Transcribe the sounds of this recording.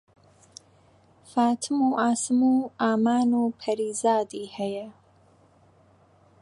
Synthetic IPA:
faːt̪ʰɨmuʔaːsɨmuaːmaːnuːpʰɐɾiːzaːd̪ihɐjɐ

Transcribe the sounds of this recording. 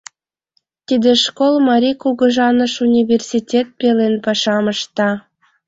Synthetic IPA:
t̪id̪eʃkolmɑɾʲikuɣəʒɑnəʃunʲivʲersʲitʲet̪̚pelenpɑʃɑməʃt̪ɑ

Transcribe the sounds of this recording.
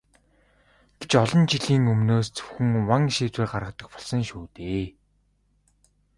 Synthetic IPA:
ɡ̥et͡ɕɔɮɞ̆nt͡ɕiɮiːŋɵmnoːst͡sɵ̥wxɘ̆ŋwaŋʃiːt͡sweːrɢarʁə̆kt̪ə̆k̚pɔɮsɞ̆ŋʃuːt̪eː

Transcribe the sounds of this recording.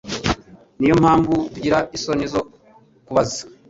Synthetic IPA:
nijomhaːɱvutuɟiɾaisonizo | kuβazḁ

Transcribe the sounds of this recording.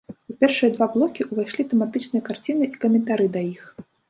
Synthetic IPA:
apʲɛrʂɨjɐd̪vablˠɔkʲiʔuvajʂlʲit̪ɛmat̪ɨt͡ʂnɨjɐkart͡sʲinɨʔikɐmʲɛnt̪aɾɨd̪ɐjix

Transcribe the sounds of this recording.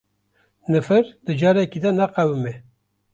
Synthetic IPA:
nɨfɨɾd̪ɨd͡ʒɑːɾɛkid̪ɛnæqæwɨmɛ

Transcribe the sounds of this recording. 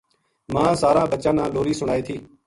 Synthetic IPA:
mãːsaːɾãːbət͡ʃãːnãːloːɾiːsʊɽ̤̃aːeːt̪ʰiː

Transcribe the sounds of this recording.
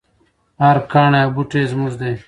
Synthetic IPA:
aɾkaːɳebuʈeːzmuzd̪eː

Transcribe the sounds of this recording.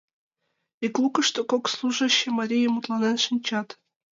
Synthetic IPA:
iklˠukɤ̆ʂt̪okokslˠuʐə̆ɕːĕmɑɾʲijemut̪lˠɑnenʂɨnʲt͡ɕɑt̪

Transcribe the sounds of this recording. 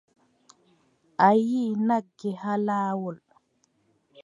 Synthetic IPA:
ʔajiːnaɡːɛhalaːwɔl

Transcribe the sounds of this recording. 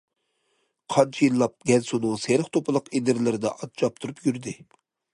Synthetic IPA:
qʰɑnt͡ʃʰijilːˠɑp̚ɡʲɛnsunɨŋseɾɪχt̪ʰopʰɨlˠəqinɪɾlɪɾɪd̪ɛ̰ʔɑt͡ʃʰɑp̚t̪ʰuɾupjyɾd̪ɪ

